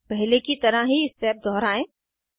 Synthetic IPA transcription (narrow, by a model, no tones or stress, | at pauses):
pɛɦlekit̪ɐɾaɦiɪstɛːp̚d̪ʱɔːɾaːẽː